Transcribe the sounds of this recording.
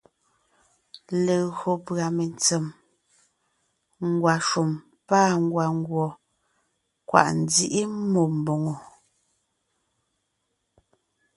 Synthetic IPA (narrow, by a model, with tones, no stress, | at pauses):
le˨ɣo˨pɰa˨me˨nt͡se˨m | ŋ˨ɡwa˨ʃu˨m | pa˦˨ŋ˦ɡwa˨ŋ˦ɡwɔ˨ | kwa̰˨ʔn̩˨di˦ʔi˦mo˨m̩˨bo˨ŋo˨